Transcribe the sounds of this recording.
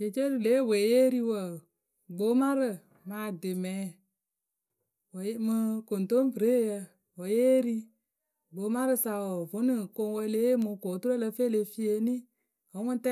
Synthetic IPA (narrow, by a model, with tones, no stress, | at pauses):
d͡ʒe˨t͡ʃe˦ɾɨ˨le˨˦˨we˨je˦ɾi˦wə˨ | ɡ͡bo˨˦ma˦ɾɨ˨ | maː˧˦˨de˨mɛ̃ː˨˦ | wmɨ˧ko˨n˨to˦m˦pɨ˨ɾe˦˨jə˧ | wɔ˨je˦ɾi˧ | ɡ͡bo˨˦ma˦ɾɨ˦sa˨wɔ˨vo˨˦nɨ˦˨ko˧ŋ˦wə˧le˨˦mo˧koː˨˦tu˦ɾə˦lə˧fe˦˨le˧fi˦e˧nĩ˦ | ɔ˨˦ŋɔ̃˦n˦tɛ˦